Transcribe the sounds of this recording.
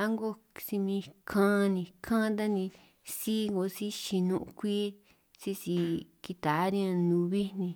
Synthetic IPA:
a˦ŋɡo˦ | si˧mĩ˧kʰã˦˧nĩ˧kʰã˦d̪̬a˦nĩ˧ | si˦ŋɡo˧si˦ʃi˧nũ˧ʔu˧kʷiː˦ | si˦si˧ki˧t̪a˨˦nĩ˦ã˧nũ˨˧βi˦nĩ˧

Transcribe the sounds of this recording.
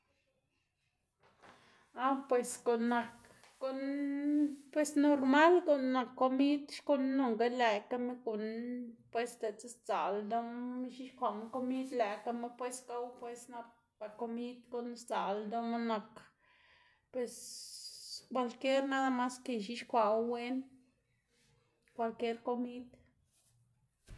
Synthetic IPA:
a˦wpwe˨sko˨nːa˨kː | o˦n | pwe˧sno˧ɾma˦lko˨nːa˨kːo˧mi˦d̪ʃko˧nːo˨ŋɡa˦le˧˨ka˦me˦ku˨npwe˦st̪e˨t͡se˦st͡sa˨ld̪a˦mʃi˦ʃkʷa˨m˦ko˦mi˦d̪læ˨ka˦me˦pwe˦ska˦wpwe˧sna˧p | pa˨ko˧mi˦d̪ko˨n˦st͡sa˨ld̪o˦ma˦na˨k | pwe˨s | kʷwa˧lkje˦ɾna˦d̪a˦ma˦ske˨ʃi˦ʃkʷa˨wwe˦n | kʷa˧lkje˦ɾko˧mi˦d̪

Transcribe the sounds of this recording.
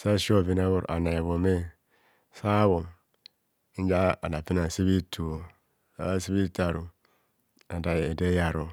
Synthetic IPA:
sa˦ʃo˦˨vi˨na˦βo˦˨ɾʔa̰˨na˨βo˨me˦ | sa˦βo˨m˦ | n˦d͡ʒa˦a˨da˨pi˦na˨si˦βi˦tu˨o˨ | a̰˦si˦bi˦ta˨ɾu˨ | a˨da˨e˨de˦ja˨ɾo˨

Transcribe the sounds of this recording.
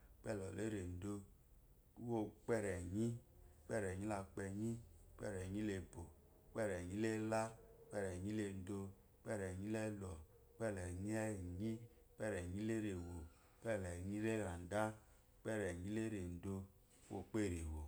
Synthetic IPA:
k͡pɛ˦˨lɔ˨le˦ɾe˨n̩˨do˧˦ | wo˦k͡pɛ˦˨ɾɛ˨ɲi˦k͡pɛ˦˨ɾɛ˨ɲi˦la˧k͡pɛ˧ɲi˦k͡pɛ̰˦˨ɾɛ˨ɲi˦le˧˨bo˨˦ | k͡pɛ˦˨ɾɛ˨ɲi˦le˦la˦k͡pɛ˦ɾɛ˨ɲi˦le˧n̩˨do˧˦ | k͡pɛ˦˨ɾɛ˨ɲi˦le˦lɔ˨˦ | k͡pɛ˦˨lɛ˨ɲ˦ɛ˦˨ɲi˦ | k͡pɛ˦ɾɛ˨ɲi˦le˦ɾe˨wo˨˦ | k͡pɛ˦˨lɛ˨ɲi˦ɾe˦˨ɾa˨n̩˨da˦ | k͡pɛ˦˨ɾɛ˨ɲi˦le˦ɾe˨n̩˨do˧˦ | wo̰˦˧k͡pe˦˨ɾe˨wo˨

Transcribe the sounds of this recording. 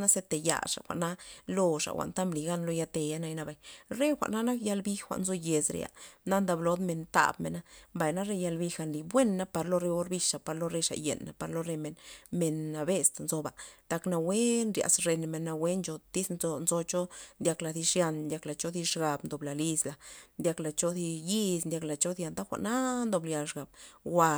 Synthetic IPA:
na˦se˧t̪e˨ja̰˨ʂa̰˨xʷa̰˨ʔna˦lo˧ʂa̰˨xʷa̰˨ʔnt̪a˦mbli˨ɡa˦nlo˧ja˧t̪e˧ja˧na˧jna˧ba˨jɾe˦xʷa̰˨ʔna˦na˦kja˧lbi˦xxʷa̰˨ʔnzo˧je˨sɾḛ˨ja̰˨na˦nd̪a˧blo˧˦d̪me˧nt̪a̰˨bmḛ˧na˦mba˨jna˦ɾe˧ja˧lbi˧xa˧nli˧bwe˦nːa˦pa˧ɾlo˧ɾe˧o˧˦ɾbi˧ʂa˨pa˧ɾlo˧ɾe˧ʂa̰˨jḛ˨nːa̰˨pa˧ɾlo˧ɾe˧me˨nme˧nːa˧be˧st̪nzo˧ba̰˨t̪a˧kna˧we˦nɾja̰˨sɾe˧nme˨nːa˧we˦nt͡ʃo˧t̪i˦sno˧nzo˧t͡ʃo˦nd̪ʲa˧kla˨˧d̪i˧ʂja˧nnd̪ʲja˧kla˨t͡ʃo˦d̪i˧ʃɡa˨bnd̪o˨bla˨li˧sla˨nd̪ʲa˧kla˨t͡ʃo˧d̪i˧ji˦snd̪ʲa˧k̬la˨t͡ʃo˦d̪ja˧nt̪a˦xʷa̰˨ʔna˦nd̪o˧blja˧˨ʃɡa˨b̥̚wa˧

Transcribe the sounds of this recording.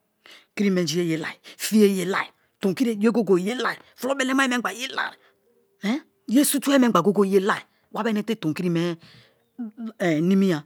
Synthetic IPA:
ki˦ɾi˦me˨d͡ʒi˨˦je˦˨je˨la̰˨i˨fi˦je˦je˨la̰˦˨i˨ | to˨ŋki˦e˦e˦ɡo˦ɡo˨je˦la˦˨i˨flo˦be˦ne˦ma˦e˦me˦ɡ͡ba˨je˦la̰˨ɾ | ɛ˦ | je˦su˦tu˦e˦me˦a˨ɡo˦ɡo˦je˦la˨i˨ | wa˦be˦ne˦te˦˨to˨ki˦ɾi˦me˦˨ | ni˦mi˦ja˨

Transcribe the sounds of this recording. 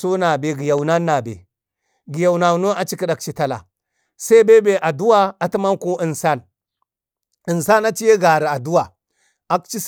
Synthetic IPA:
so˦na˨be˨ɡi˨ja˨wna˦nːa˨bḛ˨ | ɡi˨ja˨wna˨no˦a˦t͡ʃi˦ki˦ɗa˨k̚t͡ʃi˦ta˦la̰˨ | sa˦i˦be˦be˨ʔa˨du˦wa˦a˨˦ti˦ma˦nko˦ʔi˨nsa˦n | ə˨nsa˦na˦t͡ʃi˦je˦ɡa˨ɾi˨a˨du˦wa˨ | a˦kt͡ʃi˦s

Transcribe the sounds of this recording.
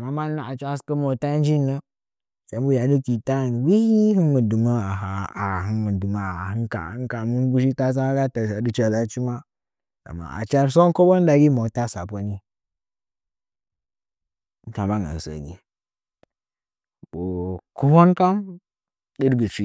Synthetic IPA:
ma˦ma˦lna˦a˨t͡ʃa˦skə˦mo˨ta˦n˦d͡ʒi˦nːə˦ | sa˨˦m˦bu˦ja˨du˦ki˨ta˦˨nwi˦hi˦hɨ˦mu˨du˨ma˦a˨ɦa˨a˨ɦɨ˦mu˨du˨ma˦˨a˨hɨ˦nka̰˨˦n˦ka˨mu˦n˦bu˦ʃ̬i˦ka˦s̬a˦ɡa˦ta˨sa˨du˦t͡ʃa˨la˦t͡ʃi˦ma˦ | a̰˨mːa̰˨ʔa̰˨t͡ʃa˦ɾso˦n˦ko˦bo˦n˦da˨ɡi˦mo˨ta˦sa˨po˦ni˦ | n̩˦ta˨ma˦ŋa̰˨n˨sə̰˨ɡḭ˦ | bo˨ku˦bo˦nka˦m | ɗə˦dɡə˨t͡ʃi˦

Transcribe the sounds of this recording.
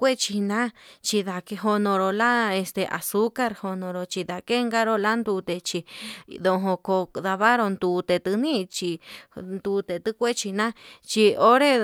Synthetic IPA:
kʷe˦t͡ʃi˧nã˦t͡ʃi˧ða˧ke˧ɦo˧nõ˧ɾo˧la˦e˧st̪e˨ʔa̰˨su˦ka˧ɾho˧nõ˧ɾo˧t͡ʃi˧ða˧ke˦ŋɡa˦ɾo˦la˦nd̪u˧t̪e˧t͡ʃi˧ðo˧ɦõ˧ko˧ða˧βa˦ɾo˧nd̪u˧t̪e˨t̪ɨ˧nĩ˦˧t͡ʃi˧nd̪u˧t̪e˨t̪ɨ˦kʷe˦t͡ʃi˧nã˦t͡ʃi˧o˦ɾe˦

